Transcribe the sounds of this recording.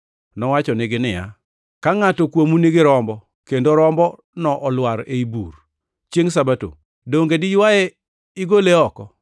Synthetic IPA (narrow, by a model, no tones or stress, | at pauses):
nɔwat͡ʃɔnɪɡɪnɪja̰ | kaŋatɔkwomunɪɡɪɾɔmbɔ | kendoɾɔmbɔ | nɔʔɔlwaɾeibur | t͡ʃjeŋsabato̰ | doŋɡedɪjwaɛ | ɪɡoleɔkɔ